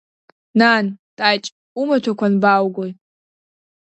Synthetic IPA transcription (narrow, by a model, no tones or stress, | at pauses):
nantʼajt͡ʃʼ | umatʰakʷʰanbawɡʷoj